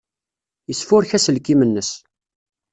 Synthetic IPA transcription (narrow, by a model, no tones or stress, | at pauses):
jəsfʊɾçæsəlkːimənːəs